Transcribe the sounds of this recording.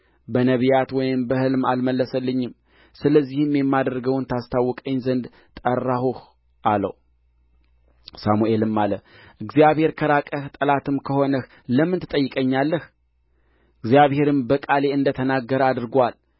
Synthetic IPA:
bənəβijat̪wɔjɪmbəhɨlmalməlːəsəlːɨɲːɪm | sɨləzːihɨmjɛmːad̪ɾɡəwnt̪ʰast̪ʰawːɔkʼəɲːzənd̪ | t̪ʼərːahuh | ʔalə̰w | samuʔelɨmːalə | ʔɨɡzijaβhe̞ɾkʰəɾakʼəht̪ʼəlat̪ɨmkʰəho̞nəh | ləmːɨnt̪ʰɨt̪ʼəjːɪkʼəɲːalːəh | ɨɡzijaβhe̞ɾɨmbəkʼale̞ɨnd̪ət̪ʰənaɡːəɾad̪ɨɾɡwal

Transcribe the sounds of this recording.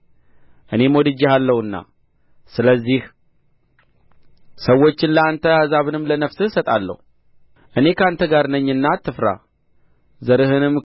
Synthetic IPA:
ʔɨne̞mod̪ɨd͡ʒːihalːəhɨnːa̰ | sɨləzːih | səwːo̞t͡ʃːɪnləant̪ʰəazaβɨnɨmːlənəfsɨhsət̪ʼalːə̰hu | ʔɨne̞kʰəant̪ʰəɡaɾnəɲːɨnːat̪ʰːɨfɾa̰ | zəɾɨɦɨnɨm

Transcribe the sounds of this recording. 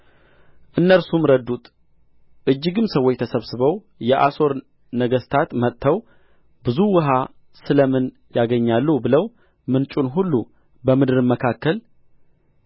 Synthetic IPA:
ʔɨnːəɾsumɾəd̪ut̪ʼ | ʔɨd͡ʒːɨɡɨmsəwːot͡ʃːt̪ʰəsəβsɨβəw | jɛʔaso̞ɾ | nəɡəst̪ʰat̪mət̪ːʰəw | bɨzuwɨɦa | sɨləmɨn | jaɡəɲːalːubɨləw | mɨnt͡ʃʼunɦulːu | bəmɨd̪ɨɾɨməkʰakːəl

